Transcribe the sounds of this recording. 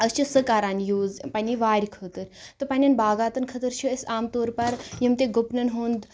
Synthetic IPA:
ɐst͡ʃʰisəkaːɾaːnjuːzpanʲiʋaːɾʲikʰət̪əɾt̪ɨpɐnʲinbaːɡaːt̪ɐnkʰɐt̪əɾt͡ʃʰuəsʲaːmt̪oːɾpɐɾjimt̪eɡupnɐnɦuːnd̪

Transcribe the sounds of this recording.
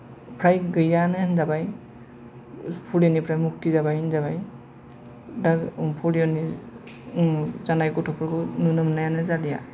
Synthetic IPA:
pʰɾajɡɯjanɯnzabaj | pʰuliɔnipʰɾajmuk̚tizabajnzaβaj | dakpʰɔliɔni | zanajɡɔtʰɔpʰɔɾkʰɯnɯnɯmnajanɯzalija̰

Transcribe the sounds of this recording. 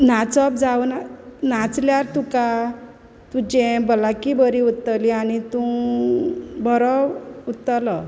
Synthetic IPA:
nat͡sɔp̚d͡zaʋnanat͡sljaɾt̪uka | t̪ud͡ʑẽbəlakibəɾiut̪ːəlianit̪ũ | bʱɔɾɔut̪ːəlɔ

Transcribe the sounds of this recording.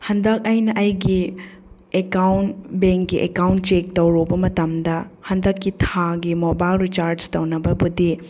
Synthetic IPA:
hɐndɐk̚ɐjnɐʔɐjɡi | ekawnbeŋkɡiʔḛkawnt̚t͡ʃek̚tɐwɾubɐmɐtɐmdɐhɐndɐkːitʰaɡimobajlɾit͡ʃaɾd͡ʒtɐwnɐbɐbudi

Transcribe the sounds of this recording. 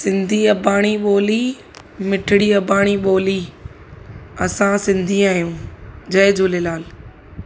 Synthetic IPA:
sɪ̃nd̪ʱiɐbʱaːɽ̃iɓoːli | mɪʈʰɪɽiɐbʱaːɽ̃iɓoːli | ɐsãsɪ̃nd̪ʱiaːɦijũːd͡ʑɐɪd͡ʑoːlɪlaːl

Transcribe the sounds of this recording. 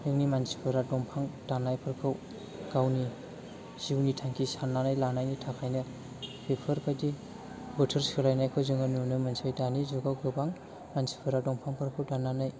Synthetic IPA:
ɯŋnimansi̥pʰɯɾadɔmpʰaŋtanajpʰɯɾkʰɯw | ɡ̥awni | z̥iwnitʰaŋkʰisanːanajlanajnitʰakʰajnɯ | pʰipʰɯɾkʰajdi | bɔtʰɯɾsɯlajnajkʰɯwzɯŋɯnunɯmansajdanizɔɡawɡɯbaŋ | mansi̥pʰɯɾadɔmpʰaŋpʰɯɾkʰɯwtananaj

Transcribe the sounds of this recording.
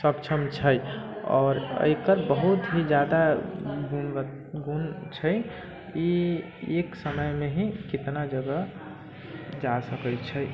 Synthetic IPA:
səkt͡ʃʰəmt͡ʃʰəjɔ̰ːɾə̰jkəɾbəɦut̪ɦid͡ʒjad̪aɡun | ɡunt͡ʃʰəj | i | eksəməjmeɦikit̪nad͡ʒəɡə | d͡ʒasəkət͡ʃʰəj

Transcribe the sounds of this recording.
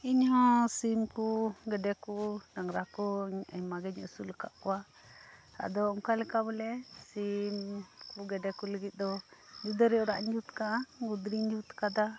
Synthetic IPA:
iɲhɔ̃simkuɡɛɖɛkunaŋɾakɔɲamaɡɛɲɔ̰suləka̰ʔkɔwa | ta̰d̪ɔɔŋkalɛkabɛlɛsimkuɡɛɖɛkuləɡit̪̚d̪ɔd͡ʒud̪əɾɛɔɾa̰ʔɲd͡ʒut̪kaʔaɡud̪ɾiɲd͡ʒut̪kad̪a

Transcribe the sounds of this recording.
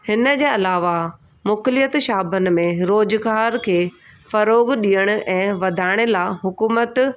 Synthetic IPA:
hɪnə̆d͡ʑeːɐlaːʋa | mʊklɪjət̪ʃaːbʱənɪ̆mẽɾoːd͡ʑɡaːɾkʰeːfɐɾoːɡɗiːəɽ̃ʊ̆ʔɛ̃ːʋɐd̪ʱaːɪɽ̃ɪ̆laːɦʊkuːmət̪

